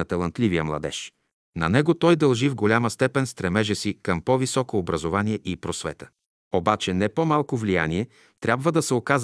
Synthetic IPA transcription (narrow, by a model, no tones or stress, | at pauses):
ət̪ɐlˠɐnt̪livijəmlˠɐ̰d̪ɛ̰ʃ | nɐ̰nɛɡot̪ɔjd̪ɐlˠʒivɡolʲaməst̪ɛpɛnst̪ɾɛmɛʒɛsikɐmpɔvisɔkoːbɾɐzovaniɛʔipɾosvɛ̰t̪ə̥ | obat͡ʃɛnɛpomalˠkovlija̰niɛ | t̪ɾʲjabvəd̪ɐsɛokaz